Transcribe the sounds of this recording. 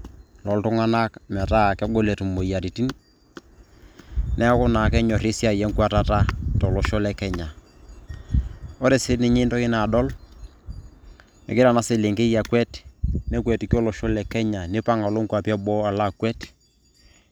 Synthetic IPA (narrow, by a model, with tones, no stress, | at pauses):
lɔ˨ltʊ˦ŋa˦na˦kmɛ˨ta˦˨kɛ˦ɡo˦le˨tu˨mo˨ja˨ɾi˨ti˦n | nɛ˦kʊ˦na˨kɛ˦ɲɔ˨ɾɪ˦sja˨jɛ˦ŋkwa˦ta˦ta˦tɔ˨lɔ˨ʃɔ˦lɛ˦kɛ˦ɲa˨ | ɔ˦ɾe˨sɪ˦nɪ˦ɲɪ˦ntɔ˦kɪ˦na˨dɔ˦l | ɛ̰˨kɪ˦ɾa˨na˦sɪ˨le˨ŋke˦ja˨kwɛ˦tnɛ˦kwɛ˨ti˨kɔ˦lɔ˨ʃɔ˦lɛ˨kɛ˦ɲa˨ne˦pa˦ŋa˨lo˦ŋkwa˨pja˦bɔ˦a˨la˦kwɛ˦t